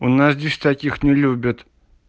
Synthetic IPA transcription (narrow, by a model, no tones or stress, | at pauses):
ʊnːasdʲɪsʲt̪akʲixnʲɪlʲubʲɪt̪